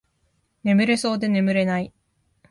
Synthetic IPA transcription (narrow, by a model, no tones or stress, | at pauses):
ne̞mɯ̟ɾe̞so̞ːd̪e̞ne̞mɯ̟ɾe̞nai